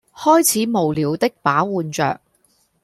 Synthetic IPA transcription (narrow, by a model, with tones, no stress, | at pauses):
hɔː˥jt͡sʰiː˨˥mo˨˩wliː˨˥wt̪ɪ˥k̚paː˨˥wuː˧nt͡ʃœ̰ː˨k̚